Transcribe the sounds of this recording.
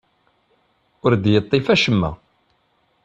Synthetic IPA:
ʊɾd̪jət̪ˤːɪfæʃəmːæ̰

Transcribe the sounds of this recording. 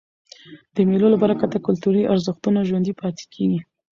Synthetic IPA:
d̪̥əmelolabɑɾakat̪akʊlt̪uɾiʔaɾzəxt̪unaʒwand̪ipɑt̪ʰe̥kʰeɡi

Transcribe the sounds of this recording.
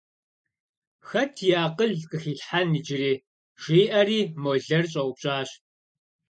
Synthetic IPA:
xɐtʰjaːqəɮqɨxiːɬħaniːd͡ʒɪriː | ʒ̥iːʔɐriːmoːɮɐrɕʼɐʔʷʊpɕʼaːɕ

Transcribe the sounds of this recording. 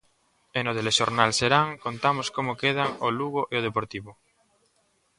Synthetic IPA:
enot̪eleʃoɾnalseɾaŋkont̪amoskomokeð̞aŋoluɣoʔeoð̞epoɾt̪iβo

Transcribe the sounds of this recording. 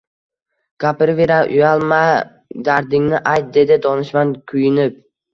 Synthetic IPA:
ɡ̥apɪɾveɾaʔʊ̰jalˠma | d̪aɾd̪ɪŋnɪʔajt̪̚d̪e̞d̪ɪd̪ɒnɪʃmankʰʊjɪnɪp̚

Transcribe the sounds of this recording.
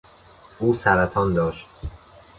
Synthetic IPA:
uːsæɾæt̪ʰɒːnd̪ɒːʃt̪̚

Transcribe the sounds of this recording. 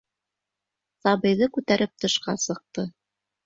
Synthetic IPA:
sɑβɤ̆jðɤkʉt̪æɾʔɘp̚t̪ɤ̆ʃqɑ̰sɤ̆q̚t̪ɤ

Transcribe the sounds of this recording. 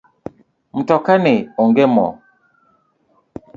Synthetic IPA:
m̩tɔkaneɔŋɡɛmɔ̰

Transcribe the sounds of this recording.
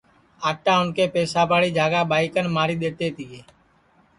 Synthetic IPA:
aːʈãːʊnkeːpeːsaːpaːɽiːd͡ʒʱaːɡaːɓaːɪkənmaːɾiːɗ̪eːt̪eːt̪iːeː

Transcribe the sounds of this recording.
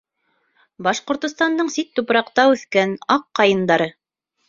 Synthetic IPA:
bɑʃqŏɾt̪ŏst̪ɑnd̪ɤɴsit̪ːupɾɑqt̪ɑʉθkænɑqːɑjɤ̆nd̪ɑɾɤ

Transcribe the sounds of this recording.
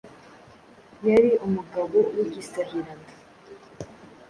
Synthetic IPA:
jaɾiʔumuɡaβowiɟistaβiɾaŋa

